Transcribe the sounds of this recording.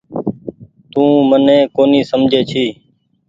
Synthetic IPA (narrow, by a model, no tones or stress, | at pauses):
t̪ũːmənẽːkoːniːsəmd͡ʒʱeːt͡ʃʰiː